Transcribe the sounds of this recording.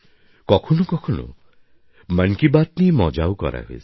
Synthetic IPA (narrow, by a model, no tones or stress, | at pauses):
kɔkʰɔnukɔkʰɔnṵ | maŋkibat̪nimɔd͡ʒawkɔ̰ɾa̰ɦoes